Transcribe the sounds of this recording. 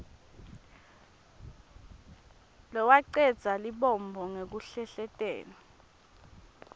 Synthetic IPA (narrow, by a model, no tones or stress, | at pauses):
lɔwaǀɛd̥z̥ʱaliɓɔmbʱɔŋek̬uɬɛɬɛtʼɛ̰ːna